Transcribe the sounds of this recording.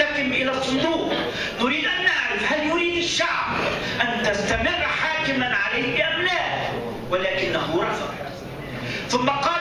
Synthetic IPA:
akɪmʔɪlaːsˤːʊnd̪uːq | nʊɾiːd̪ʔanːaʕɾɪfhaljʊɾiːd̪aʃːaʕb | ʔant̪ast̪amɪrˤːħaːkɪmanʕalajɪʔamlaː | walaːkɪnːaɦʊɾˤɑfɑq | θʊmːɑqɑː

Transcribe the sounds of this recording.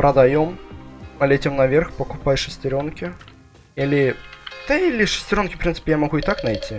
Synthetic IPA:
pɾʔəd̪ɐjommɐlʲetʲomnɐvʲerxpəkʊpajʂɨsʲtʲɪɾʲo̞nkʲɪ | ilʲɪd̪̥əilʲɪʂɨ̥sʲtʲɪɾʲo̞nkʲɪ̥fpɾʲint̪sɨ̥pʲɪjamɐɣuɪt̪aknɐjtʲi

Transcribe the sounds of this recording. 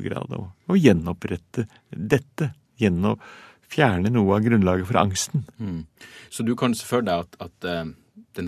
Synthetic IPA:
ɡɾɑ̰ːd̪ɔ̰ɔjɛnːɔpɾɛt̪ʰːə | d̪ɛt̪ːə | jɛnːɔ | fjæːɳənuːəɑɡɾʉnlɑːɡəfɔɾɑ̰ŋst̪n | sɔd̪ʉkʰɑnsʂə̥føːld̪æɑt̪ɑt̪ | d̪̥ɛn

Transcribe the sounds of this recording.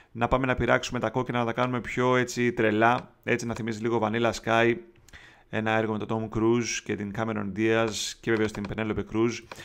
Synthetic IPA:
nɐpɐme̞nɐpiɾɐksume̞t̪ɐko̞cinɐnɐt̪ɐkɐnume̞pço̞e̞t͡sit̪ɾelɐe̞t͡sinɐθimiziliɣo̞vɐnilɐskɐj | e̞̰nɐe̞ɾɣo̞met̪ot̪omkɾuzce̞t̪iŋkɐme̞ɾond̪iɐzceve̞ve̞o̞st̪impenelopekɾuz

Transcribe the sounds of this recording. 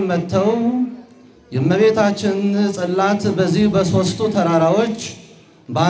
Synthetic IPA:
mət̪ʰːəw | jɛmːəβe̞t̪ʰat͡ʃːɪnsʼɨlːat̪bəzːihbəso̞st̪ʰut̪ʰəɾaɾawo̞t͡ʃː | ba

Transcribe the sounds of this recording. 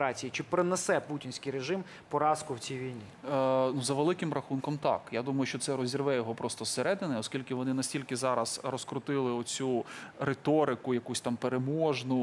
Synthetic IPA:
ɾɑt͡sʲijit͡ʃɪpɾɪnɛsɛputʲinʲsʲkɪjɾeʒɪm | pɔɾɑskʊwt͡sʲijʋʲijnʲinuzɐʋelˠɪkɪmɾɐxunkɔmt̪ɑ̰kjad̪umɐjʊʃʲt͡ʃɔt̪sɛɾɔzʲirʋɛjɔɦɔpɾʔɔst̪ɔseɾɛd̪ɪnɛɔskʲilʲkɪʋɔnɪnɐsʲtʲilʲkɪzɑɾɐzrɔskɾʊt̪ɪlˠɪɔt͡sʲuɾet̪ɔɾɪkʊjɐkusʲt̪ɑmpeɾemɔʒnʊ

